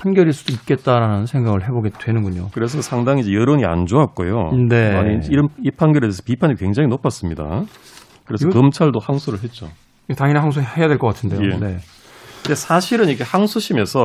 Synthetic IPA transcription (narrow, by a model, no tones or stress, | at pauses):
pʰanɡjʌɾiɭs͈ud̥oit̚k͈e̞t̚t͈aɾanɯnsʰe̞ŋɡaɡɯɭɦe̞boɡe̞dwe̞nɯnɡuɲo̰kɯɾe̞s̬ʰʌsʰaŋdaŋid͡ʑejʌɾoɲia̰nd͡ʑoɦak̚k͈ojo̰ne̞aɲiiɾɯipʰanɡjʌɾedesʰʌ̥pipʰaɲikwe̞ŋd͡ʑaŋinʌpʰas͈ɯmɲida̰ | kɯɾe̞sʰʌkʌmt͡ɕʰaɭdohaŋsʰoɾɯɭɦe̞t̚t͡ɕ͈o̰ | taŋineɦaŋsʰohe̞jadwe̞ɭk͈ʌk͈atʰɯnde̞jone̞ | desʰaɕʰiɾɯnikʰehaŋsʰuɕʰimesʰʌ